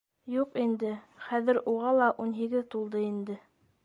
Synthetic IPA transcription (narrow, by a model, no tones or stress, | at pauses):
juqind̪ɘχæðɘ̆ɾuʁɑlˠɑʔunɦiɡɘðt̪ulˠd̪ɤind̪ɘ